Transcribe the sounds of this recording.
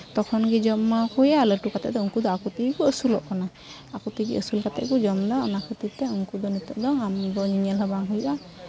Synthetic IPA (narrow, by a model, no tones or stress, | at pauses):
t̪ɔkʰɔnɡid͡ʒɔmːakujaləʈukat̪ɛʔd̪ɔuŋkud̪ɔakut̪ikkuəsulɔʔkana | akɔt̪ikiʔəsulkat̪ɛ̰ʔkud͡ʒɔmd̪ɔɔnakʰət̪it̪ɛuŋkud̪ɔnit̪ɔʔd̪ɔŋamd̪ɔɲiɲɛlɦɛbaŋɦujuʔa